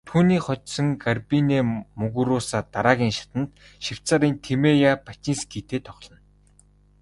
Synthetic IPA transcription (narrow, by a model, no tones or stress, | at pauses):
t̪ʰuːniːχɔt͡ɕsɞ̆ŋɡarpineːmɵɣuɾʊːsaːt̪aɾaːɣʲiːŋʃḁt̪ə̆nt̪ | ʃiw̥t͡saːɾiːnt̪ʰemejapat͡ɕinskiːt̪ʰeːt̪ʰɔχɮə̆n